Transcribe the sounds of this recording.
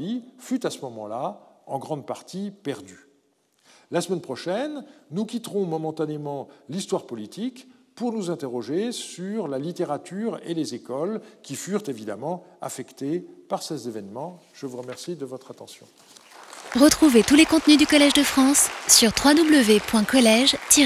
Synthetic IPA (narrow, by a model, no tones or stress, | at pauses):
ifyt̪asəmɔmɑ̃laɑ̃ɡʁɑ̃d̪paʁt̪ipɛʁd̪y | lasəmɛnpχɔʃɛnːukʲit̪ʁɔ̃mɔmɑ̃t̪anemɑ̃list̪waʁpɔlit̪ʰik | puʁnuzɛ̃t̪eʁɔʒesyʁlalit̪eʁat̪yʁelezekɔlkʲifyʁt̪evid̪a̰mɑ̃a̰fɛkt̪epaʁsezevɛnmɑ̃ | ʒ̥əvuʁəmɛʁsid̪əvɔt̪χat̪ɑ̃sjɔ̰̃ | ʁət̪χuvet̪ulekɔ̃t̪nyd̪ykɔlɛʒd̪əfχɑ̃sːyʁt̪χwad̪ubləvepwɛ̃kɔlɛʒt̪i